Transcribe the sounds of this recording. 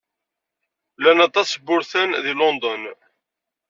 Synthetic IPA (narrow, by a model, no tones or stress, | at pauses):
lænɑt̪ˤːɑsbʊɾθænðilɔnd̪ɔn